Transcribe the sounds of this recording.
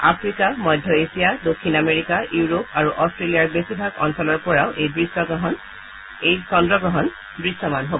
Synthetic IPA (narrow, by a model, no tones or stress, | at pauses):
a̰pʰɹikamɔjdʱjɔesijadokʰːinameɹikauuɹop̚aɹuʔɔstɹelijaɹbesibʱaɡɔ̰nsɔlɔɹpɔɹaʊʔejbɹisːɔɡɔɦɔn | ejsɔndɹɔɡɹɔɦɔn | bɹisːɔmanɦobɔ